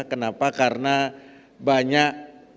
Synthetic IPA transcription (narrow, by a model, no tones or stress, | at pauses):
kənapakaɾəna | baɲaʔ